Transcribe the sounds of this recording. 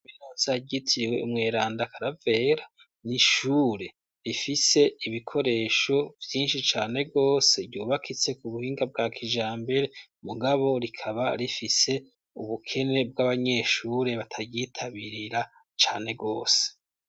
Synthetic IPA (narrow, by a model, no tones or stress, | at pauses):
minoːzaɟitʰiwe̞̰ṵmŋeːɾaːndakʰaɾave̞ːɾa | niʃuɾe̞ | ɾifise̞iβikʰo̞ɾe̞ːʃo̞vjiːnʃit͡ʃaːne̞ɡo̞ːse̞ɟuːβakʰit͡se̞kuβuhiːŋɡab̚ɡaːkʰiʒaːmbe̞ɾe̞muɡaβo̞ɾikʰaβaɾifise̞ | uβukʰe̞ne̞b̚ɡaβaɲe̞ʃuːɾe̞βatʰaɟitʰaβiɾiɾa | t͡ʃa̰ːne̞ɡo̞ːse̥